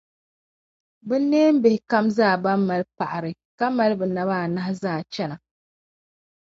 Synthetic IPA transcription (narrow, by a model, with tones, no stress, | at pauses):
bɨ˦nː˦eː˦m̩˦bɪ˨hɪ˨ka˦mzaː˦˨ba˦mːa˨lpa˨ʔa˨ɾɨ˨ | ka˦ma˦lbɨ˨na˨βaː˦˨na˦hzaː˦˨t͡ʃɛ˦na˨